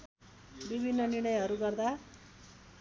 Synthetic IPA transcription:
bibʱinːʌniɾɽ̃ʌjɦʌɾuɡʌrd̪a

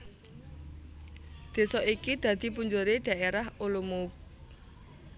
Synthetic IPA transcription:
d̪̥e̤sɔʔikid̪̥ä̤d̪̥i̤puɲd͡ʒoɾeɖ̥a̤ʔeɾaholumup̚

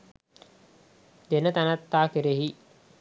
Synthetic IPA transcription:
d̪enət̪anat̪ːaːkeɾeɦi

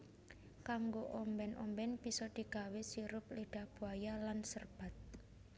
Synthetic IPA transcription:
kaŋɡoʔɔmbɛnʔɔ̰mbɛnb̥isɔd̪̥i̤ɡ̥awɪsiɾʊp̚liɖ̥a̤hb̥ṳajalansərb̥a̤t̪̚

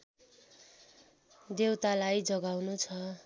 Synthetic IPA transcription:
d̪ewt̪alajd͡zʌɡawnut͡sʰʌ

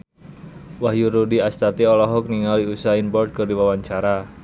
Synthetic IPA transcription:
wahjuɾudiast̪at̪iɔlɔɦɔk̚niŋaliusainpɔrt̪̚kɨrdiwawaɲt͡ʃaɾa

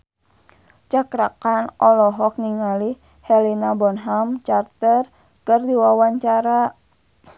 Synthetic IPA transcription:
t͡ʃakɾakanʔɔlɔɦɔk̚niŋali | hɛlinabɔnɦamt͡ʃart̪ər | kɨrdiwawaɲt͡ʃaɾa

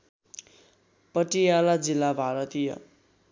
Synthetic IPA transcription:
pʌʈijalad͡zilːabʱaɾʌt̪ijʌ̰

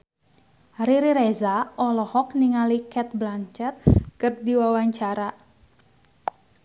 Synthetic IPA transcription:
riɾiɾezaʔɔlɔhɔk̚niŋalikɛt̪̚blant͡ʃɛt̪̚kɨrdiwawaɲt͡ʃaɾa

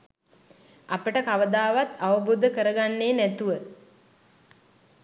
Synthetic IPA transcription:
apəʈəkaʋəd̪aːʋat̪aʋəbuːd̪əkəɾəɡanːeːnæt̪uʋə

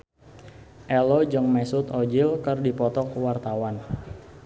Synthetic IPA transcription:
ʔɛlod͡ʒəŋmɛsʊt̪ɔd͡ʒɪlkərdipɔt̪ɔkwart̪awan

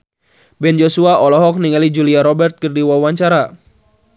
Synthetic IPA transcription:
bɛnd͡ʒosuaʔɔlɔɦɔk̚niŋalid͡ʒuliaɾɔbɛrt̪̚kɨrdiwawaɲt͡ʃaɾa

